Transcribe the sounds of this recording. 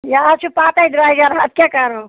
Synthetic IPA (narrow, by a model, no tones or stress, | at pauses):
jat͡ʃʰupaːt̪aid̪ɾaːiɡaɾat̪̚kʲakɐɾo